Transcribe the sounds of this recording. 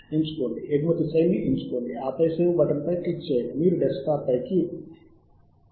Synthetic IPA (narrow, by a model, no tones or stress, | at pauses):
eɲt͡ʃu̥koːɳɖieɡmɐt̪isɐjniʔent͡ʃu̥koːɳɖiaːpɐjseːʋbɐʈɐmpɐjkit͡ʃːeːjimiːɾuɖeskaːpːɐjki